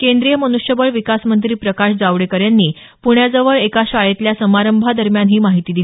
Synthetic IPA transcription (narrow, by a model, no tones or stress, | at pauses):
kend̪ɾijəmənuʂjəbəɭʋikasmənt̪̬ɾiːpɾəkaɕd͡zaʋɽekəɾjanːiː | puɳjad͡zəʋəɭekaɕʋaɭet̪ljasəmaɾəmbʱad̪əɾmjanɦiːmaɦit̪iːd̪il